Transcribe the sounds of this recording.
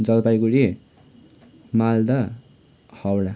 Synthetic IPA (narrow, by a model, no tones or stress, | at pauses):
d͡zʌlpajkuɾe | mald̪ʌ | hʌwla